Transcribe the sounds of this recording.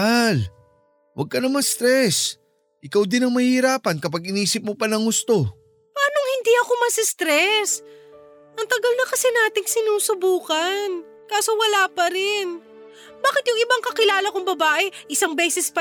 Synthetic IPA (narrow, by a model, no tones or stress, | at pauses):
al | wʔɐ̰ɡ̚kɐnɐmɐst̪ɾɛs | ʔɪkawd̪ɪnɐŋmɐhiɾaːpɐnkɐpaɡɪniːsɪp̚mopɐnɐŋhʊst̪o̞ | pɐaːnoŋhɪnd̪iʔɐko̞mɐsɪst̪ɾɛs | ʔɐŋt̪ɐɡɐlnɐkɐsɛnaːt̪ɪŋsɪnuːsʊbuːkɐn | kaːso̞wɐlaːpɐɾɪn | baːkɪt̪jʊŋɪbaŋkɐkɪlaːlɐkʊŋbɐbaːʔɛʔɪsaŋbɛːsɛspɐ